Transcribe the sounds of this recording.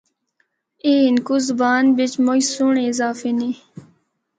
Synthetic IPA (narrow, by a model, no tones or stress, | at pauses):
iːnkuzbaːnbɪt͡ʃmojsuːɳezaːfiniː